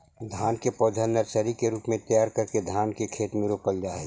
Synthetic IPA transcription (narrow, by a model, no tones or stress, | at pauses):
d̪ʱaːnkepɔːd̪ʱənːəɾt͡ʃəɾikeɾuːpmẽt̪ɐjaːɾkɐɾked̪ʱaːnkekʰeːt̪mɪɾopəld͡ʒaːɛ